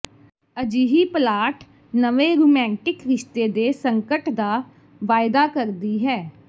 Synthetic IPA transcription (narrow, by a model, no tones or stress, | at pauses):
əd͡ʒiːɦiːplaːʈ | nəʋeːɾoːmɛ̃ːɳʈɪkɾɪʃt̪eːd̪eːsəŋkəʈd̪aː | ʋaːɪd̪aːkəɾd̪iːɦɛː